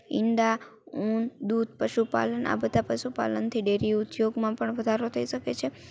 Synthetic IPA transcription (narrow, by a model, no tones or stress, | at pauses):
ɪ̰nd̪a | und̪ud̪̚pəʃupa̰lənʔa̰bəd̪ʱapəʃupa̰lənt̪ʰiɖeɾiut̪joɡmãpəɳʋəd̪ʱaɾot̪ʰəiʃəket͡ʃʰe